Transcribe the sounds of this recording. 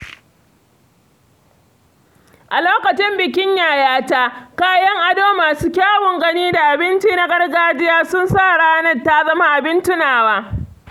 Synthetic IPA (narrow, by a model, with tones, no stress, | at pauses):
ʔa˨loː˦kɐ˨t͡ʃɪ˦mbɪ˨k̬ʲɪ˦ɲjaː˨jaː˦taː˦kaː˦jɐ˦ŋʔa˨doː˦maː˨suː˦kʲaː˦wɔ˨ŋɡɐ˦niː˦da˨ʔa˨bɪ˦nt͡ʃiː˦na˦ɡɐ˦rɡaː˦d͡ʒɪ˦jaː˦sʊ˦nsaː˦˨ɽaː˦nɐ˨ta˦zɐ˦ma˦ʔa˨bɪ˦ntɪ˦naː˨waː˦